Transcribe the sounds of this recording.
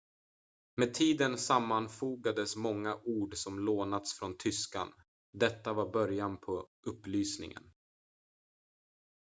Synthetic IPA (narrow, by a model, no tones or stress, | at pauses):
meːd̪̚t̪ʰiːd̪ənsamːanfuːɡad̪əsmɔŋːaʔuːɖsɔmloːnat̪sfɾɔnt̪ʰʏska̰n | d̪ɛt̪ːavaɾbœɾjanpʰɔʔɵpːlyːsnɪ̰ŋə̰n